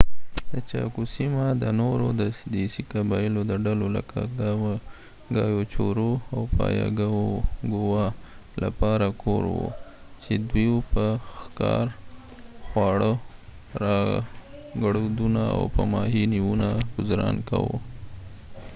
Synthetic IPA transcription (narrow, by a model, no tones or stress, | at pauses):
d̪ət͡ʃɑkusimad̪ənoɾod̪əd̪isikabɑjilod̪əɖaloləkʰaɡ̪ | ɡɑjot͡ʃoɾoawpɑjɑ̰ɡaoɡowa | lapɑɾakʰoɾwṵ | t͡ʃed̪wiwpəxkɑɾ | xwɑɽə | ɾɑ | ɡaɽod̪unaa̰wpəmɑɦiniwunaɡʊzɾɑnkawṵ